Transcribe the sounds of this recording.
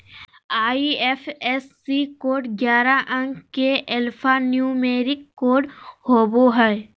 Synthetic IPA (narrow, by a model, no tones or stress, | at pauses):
aːiɛfʰɛsːikoːɖɡjaːɾaʔə̃ŋɡkeʔɛlpʰanjuːmeːɾɪkːoːɖhoːboɦɛ